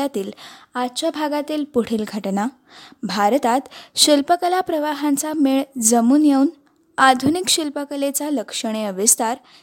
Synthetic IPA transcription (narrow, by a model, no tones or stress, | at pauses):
at̪iːlat͡ɕabʱaɡat̪iːlpuɽ̤iːlɡʱəʈna | bʱaɾt̪at̪ɕilpəkəlapɾəʋaɦãnt͡sameɭd͡zəmuːnjeun | ad̪ʱunikɕilpəkəlet͡saləkʂəɽ̃eəʋist̪aɾ